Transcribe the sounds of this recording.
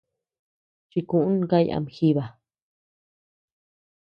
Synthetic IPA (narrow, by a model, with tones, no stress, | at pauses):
t͡ʃi˧kũ˧˨ʔũ˦n˧˦ka˦˧ja̰˧m˨xi˦βa˨